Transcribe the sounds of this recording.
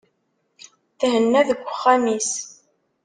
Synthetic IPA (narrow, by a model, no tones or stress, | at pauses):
θhənːæðəɡʷːəχːæmis